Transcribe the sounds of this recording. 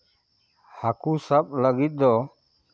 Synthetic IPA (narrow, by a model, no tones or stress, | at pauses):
hakusap̚ləɡit̪̚ˀd̪ɔ